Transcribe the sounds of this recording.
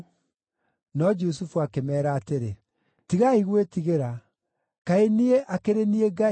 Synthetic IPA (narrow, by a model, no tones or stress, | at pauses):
nɔd͡ʒusufuakemɛːɾaːteɾe | tiɣaiɣwetiɣeɾa | kaenieʔakeɾenieɡai